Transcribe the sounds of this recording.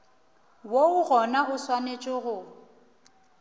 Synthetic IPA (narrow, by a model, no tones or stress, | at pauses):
woʊɣɔnaʊswanet͡ʃʼɪɣʊ